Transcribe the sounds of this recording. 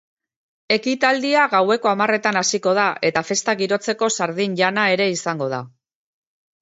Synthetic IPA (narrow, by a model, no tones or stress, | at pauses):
e̞kit̪ald̪iaɣawe̞ko̞amare̞t̪anasiko̞ð̞aʔe̞t̪afe̞st̪aɣiɾo̞t͡se̞ko̞saɾðinʎanae̞ɾe̞isaŋɡo̞ð̞a